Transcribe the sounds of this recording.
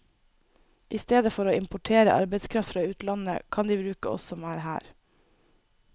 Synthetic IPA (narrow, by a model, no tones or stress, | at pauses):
ʔiːst̪eːd̪əfɔɾoːɪmpʊʈʰeːɾə̰ʔɑ̰ɾbəɪskʰɾɑft̪fɾɑːʉːt̪lɑnə̰kʰɑnd̪iːbɾʉːkəɔ̰ssɔmæːɾɦæ̰ːɾ